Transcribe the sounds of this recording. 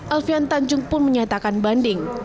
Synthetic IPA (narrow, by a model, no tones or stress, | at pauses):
ʔɛlfiant̪aɲd͡ʒʊŋpʊnməɲat̪akanbandɪŋ